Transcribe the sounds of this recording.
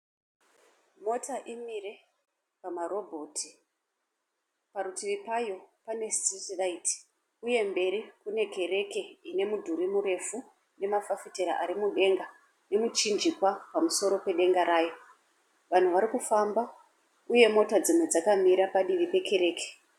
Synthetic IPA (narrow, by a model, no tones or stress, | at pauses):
mo̞taʔimire̞ | pamaro̞bʱo̞ːtʰi̥ | paɾutiʋipajo̞pane̞stitiʋaiti̥ | uje̞mbe̞ɾikune̞ke̞ɾe̞ke̞ine̞mudʱuɾimuɾe̞fu | ne̞mafafiteɾaʔaɾimuɗe̞ŋɡa | ne̞mut͡ʃind͡ʒikwapamuso̞ɾo̞pe̞ɗe̞ŋɡaɾaːjo̞ | ʋan̤uʋaɾikufamba | uje̞mo̞tad͡zimwe̞d͡zakamiɾapaɗiʋipe̞ke̞ɾe̞ːke̥